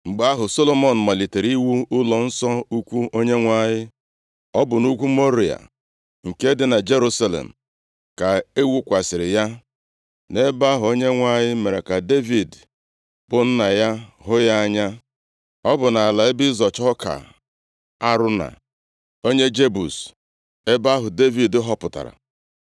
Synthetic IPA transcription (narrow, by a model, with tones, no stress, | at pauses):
ŋ͡m̩˨ɡ͡ba˨˦a˦ɦʊ˨so˦lo˨mɔ˨n̩˨ma˨li˨te˨ɾi˦wu˦ʊ˦lɔ˨n̩˦sɔ˦u˦kʷu˦ʔo˦ɲe˦ŋʷa˦ɲɪ˦ | ɔ˦bʊ˨nu˦kʷu˦mo˦ɾi˨a̰˨ | ŋ̩˨ke˦dɪ˨na˨d͡ʒe˦ɾu˦sa˦lḛ˨m̩˨ | ka˨e˦wu˦kʷa˨sɪ˨ɾɪ˨ja˦ | ne˦ba˦ɦʊ˨o˦ɲe˦ŋʷa˦ɲɪ˦me˨ɾe˨ka˨de˦vi˨d | b̥ʊ˦n̩˦na˨ja˦ɦʊ˦ja˦a˦ɲa˦ | ɔ˦bʊ˨na˨a˨la˨ɪ˦bɪ˦zɔ˨t͡ʃɔ˦ka̰˨ | a˦ɾʊ˦na̰˨ | o˦ɲe˦d͡ʒe˦bu˨s | e˦ba˦ɦʊ˨de˦vi˨dɦɔ˦pʊ˨ta̰˨ɾa̰˨